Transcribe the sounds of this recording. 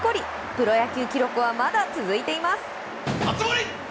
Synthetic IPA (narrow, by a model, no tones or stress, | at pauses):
ko̞ɾʲi | pɯ̟ɾo̞jakʲɨːkʲiɾo̞kɯ̟βamad̪at͡sɨzɨit̪e̞imasɨ̥ | at͡smoɾʲi